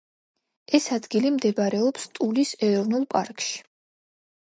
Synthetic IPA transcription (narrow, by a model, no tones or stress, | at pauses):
ɛsad̪ɡilimd̪ɛbaɾɛɔpst̪ʼulisɛɾɔvnulˠpʼa̰ɾkʼʃi̥